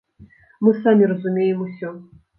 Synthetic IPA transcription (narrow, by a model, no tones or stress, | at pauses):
mɨsamʲirɐzumʲejɛmusʲɔ